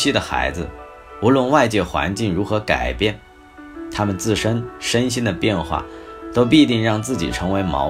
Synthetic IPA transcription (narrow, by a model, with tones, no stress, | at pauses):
i˥d̪ə˨xa̰˧˥ɪd͡zɹ̩˧ | u˧˥lwə˥˧nwa˥˧ɪt͡ɕjɛ˥˩xwa̰˧˥nt͡ɕi˥˩ŋɻu˧˥xɤ˧˥ka̰˨˩ɪpjɛ˥˩n | t̪ʰa˥mə˨nt͡sɹ̩˥˩ʂə˥nʂə˥nɕi˥nd̪ə˨pjɛ˥˧nxwa̰˥˩t̪o˥ʊp̬i˥˧t̪i˥˧ŋɻɑ˥˧ŋt͡sɹ̩˥˩t͡ɕi˨˩ʈ͡ʂʰɤ˧˥ŋwe˧˥ɪmɑ̰˧˥